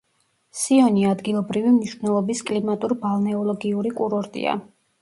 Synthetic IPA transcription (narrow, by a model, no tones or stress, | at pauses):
siɔniad̪ɡilˠɔbɾivimniʃvnɛlˠɔbiskʼlimat̪ʼuɾbalˠnɛɔlˠɔɡiuɾikʼuɾɔɾt̪ʼḭa̰